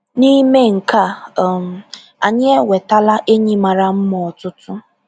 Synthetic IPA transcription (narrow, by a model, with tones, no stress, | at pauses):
ni˦me˦ŋ̩˨ka˦˨m̩˨ | a˨ɲɪ˦e˦we˨ta˦la˦ʔe˦ɲi˦ma˨ɾa˨m̩˦mɔ˨ɔ˨tʊ˦tʊ˦